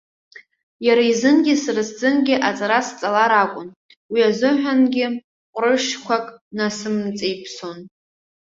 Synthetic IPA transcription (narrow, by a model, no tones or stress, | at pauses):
jaɾaizɨnɡʲɪsɨrɨsd͡zɨnɡʲɪʔat͡sʼaɾast͡sʼalaɾakʷʼʊn | wiazɨħʷᶣanɡʲɪ | qʷʼrɨʂkʷʰakʼnasɨmt͡sʼejpʰso̞n